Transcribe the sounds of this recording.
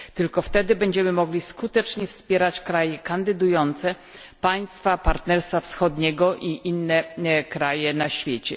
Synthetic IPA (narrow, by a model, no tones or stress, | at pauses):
t̪ɘlkɔft̪ɛd̪ɘbɛɲd͡ʑɛmɘmɔɡlʲiskut̪ɛt͡ʂɲɛfspʲjɛɾat͡ɕkɾajɛkand̪ɘd̪ujɔnt̪sɛ | paj̃st̪fapaɾt̪nɛɾst̪fafsxɔd̪ɲɛɡɔʔiʔinːɛkɾajɛnaɕfʲjet͡ɕɛ̰